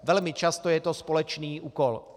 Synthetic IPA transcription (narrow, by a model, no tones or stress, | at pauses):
vɛlmɪt͡ʃast̪ojɛt̪ospolɛt͡ʃniːʔuːkol